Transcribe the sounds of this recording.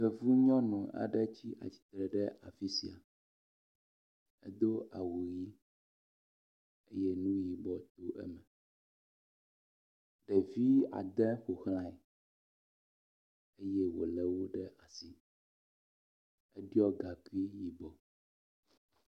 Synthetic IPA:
xɛ˨vu˦ɲɔ̃˦nũ˨a̰˨ɖɛ˦t͡ɕi˦ʔa̰˨t͡ɕi̥˨t̪ɾɛ˨ɖɛ˦ʔa˨fi˦si˨a̰˨ | ɛ̰˦d̪o˦a˨wu˨ji˦ | ḛ˦jɛ˦nũ˦ji˨bɔ˨t̪o˦ʔɛ̰˦mɛ˨ | ɖɛ˨vi˦a̰˨d̪ɛ˦xo˨xl̃ã˨i˨ | e˦jɛ˦wo˨lɛ˨wo˦ɖɛ˦ʔa˨si˦ | ɛ˦ɖi˦ɔ˦ɡa˨ku˦i˦ji˨bɔ˨

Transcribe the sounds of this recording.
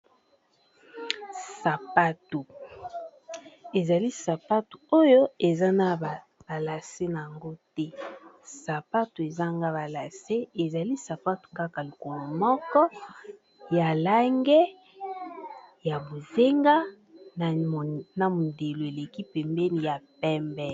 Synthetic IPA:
sa˨pa˦tu˨ | e˨za˨li˦sa˨pa˦tu˨o˦jo˦e˨za˦na˨ | b̥a˨la˨se˦na˨ja˨ŋɡo˦tɛ˦ | sa˨pa˦tu˨e˨za˦ŋɡa˦ba˨la˨se˦e˨za˨li˦sa˨pa˦tu̥˨ka˦ka˨lo˨ko˨lo˨mɔ˦kɔ˦ | ja˨la˦ŋɡɛ˦ | ja˨bo˨ze˦ŋɡa˦ | n˨na˨mo˨nde˨lo˨e˨le˨ki˦pɛ˨mbɛ˦ni˨ja˨pɛ˦mbɛ˦

